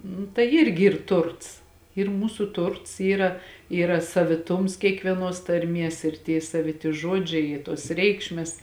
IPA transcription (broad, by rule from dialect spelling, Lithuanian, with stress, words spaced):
nʊ tɐɪ ˈɪrʲɡʲɪ ˈiːr ˈtʊrts ɪr ˈmuːsʊ ˈtʊrts ˈiːrɐ ˈiːrɐ sɐʋʲɪˈtʊms kʲiɛkʋʲiɛˈnoːs tɐrʲˈmʲiɛs ɪr tʲiɛ sɐʋʲɪˈtʲɪ ˈʒoːd͡ʒʲɛɪ ɪ toːs ˈrʲɛɪkʃʲmʲɛs